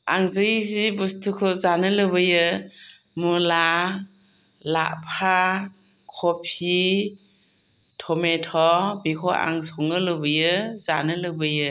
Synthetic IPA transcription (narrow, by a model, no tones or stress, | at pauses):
aŋzɯisibustʰukʰɯzanɯlɯbɯjɯ | mula | la̰ʔpʰa | kʰɔpʰi | tʰɔmetʰɔbikʰɔa̰ŋsɔŋɯlɯbɯjɯzanɯlɯbɯjɯ